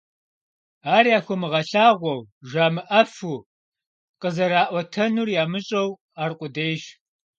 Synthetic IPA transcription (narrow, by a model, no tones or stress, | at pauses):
aːɾiaːxʷɔmɨʁɐɬaːʁʷɔwʒaːmɨʔɐfu | qəzɐɾaːʔʷɔtʰɐnuːrjaːmɨɕʼɐw | aːrqʷʼʊdejʒ